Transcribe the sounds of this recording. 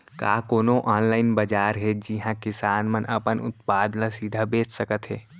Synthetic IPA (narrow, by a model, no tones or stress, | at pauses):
ka̰ːkoːnoʔaːnlaːɪnbɐd͡ʒaːɾɦed͡ʒiɦãkɪsaːnmənʔɐpənʊ̰t̪̚paːd̪nãsiːd̪ʱabeːt͡ʃʰsəkət̪ɦeː